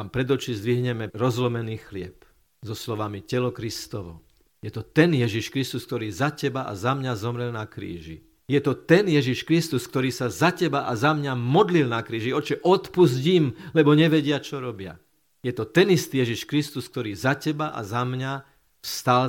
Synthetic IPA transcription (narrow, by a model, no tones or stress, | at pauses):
ampɾɛd̪ɔt͡ʃizd̪ʋiɦɲɛmɛɾɔzlɔmɛniːxlɪɛp | zɔslɔʋamicɛlɔkɾist̪ɔʋɔ̰ | jɛt̪ɔt̪ɛnjɛʒiʃkɾist̪usk̚t̪ɔɾiːzacɛbaʔa̰zamɲazɔmɾɛlnakɾḭːʒḭ | jɛt̪ɔt̪ɛnjɛʒiʃkɾist̪uskt̪ɔɾiːsazacɛbaʔazamɲamɔd̪lilnakɾiːʒiɔt͡ʃɛʔɔt̪puzɟimlɛbɔɲɛʋɛɟɪat͡ʃɔɾɔbɪa̰ | jɛt̪ɔt̪ɛnist̪iːjɛʒiʃkɾist̪usk̚t̪ɔɾiːzacɛbaʔa̰zamɲa | st̪al